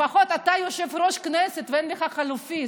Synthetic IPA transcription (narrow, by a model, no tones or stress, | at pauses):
faχo̞t̪at̪ajoʃevɾoʃkneset̪veenleχaχalufi